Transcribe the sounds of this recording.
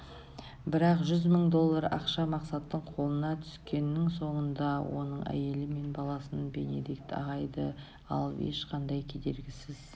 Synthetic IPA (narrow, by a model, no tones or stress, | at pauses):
bɪɾɑqʒʏzməɴd̪o̞lˠːɑɾɑ̰qʃɑmɑqsɑt̪ːəɴqʰo̞lˠənɑt̪ʰʏ̥skʲe̞nːɪŋso̞ɴənd̪ɑwo̞̰nəɴʔæ̰je̞lɪme̞nbɑlˠɑsənbe̞ne̞̰d̪ek̚t̪ɑ̰ʁɑjd̪ə̰ | ɑ̰lˠḛʃqʰɑnd̪ɑjkʲʰe̞d̪e̞ɾɡʲɪsɪz̥